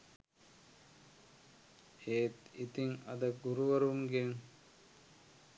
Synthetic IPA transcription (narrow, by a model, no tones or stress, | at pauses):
eːt̪it̪iŋɐ̰d̪əɡuɾuʋɐɾumɡeŋ